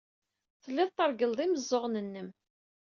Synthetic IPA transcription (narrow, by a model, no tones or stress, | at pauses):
θəlːɪðˤt̪əɾɡəlðˤiməzˤːoʁnənːəm